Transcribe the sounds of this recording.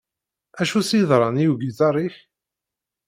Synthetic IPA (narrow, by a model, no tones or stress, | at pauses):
æʃusjðˤɾˤɑnijuɡizɑɾˤiç